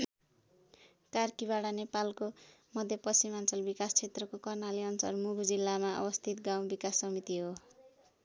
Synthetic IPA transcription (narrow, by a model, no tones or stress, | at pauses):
karkibaɽanepalkomʌd̪ʱjʌpʌsimant͡sʌlbikast͡sʰet̪rʌkokʌrnaliʌnt͡sʌ̰rmuɡʱd͡zilːamaʌ̰bʌst̪ʰit̪ɡaw̃bikasːʌmit̪iɦo